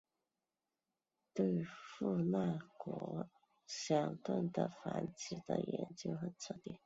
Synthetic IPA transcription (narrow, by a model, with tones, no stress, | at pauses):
t̪we˥˧ɪfu˥˧na˥˩kwɔ˧˥ | ɕjɑ˨˩ŋt̪wə˥˩nd̪ə˩fa˧˥nt͡ɕi˨˩d̪ə̰˨jɛ̰˧˥nt͡ɕjo˥˧ʊxə˧˩nt͡sʰɤ˥˧t̪jɛ̰˥˩n